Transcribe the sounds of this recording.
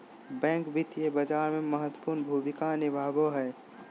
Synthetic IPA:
bɛ̃ːŋkbʱɪt̪jebəd͡ʒaːɾmẽməɦət̪wəpuːɾnbʱuːmɪkanɪbʱaːboɦɛː

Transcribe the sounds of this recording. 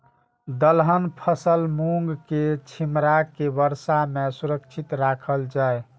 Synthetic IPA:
d̪əlɦənpʰəsəlmuŋɡket͡ʃʰimɾakebəɾsamesuɾəkt͡ʃʰit̪ɾakʰəld͡ʒae

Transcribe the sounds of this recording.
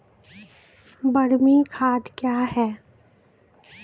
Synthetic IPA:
bəɽmikʰaːd̪kjaːɦɛː

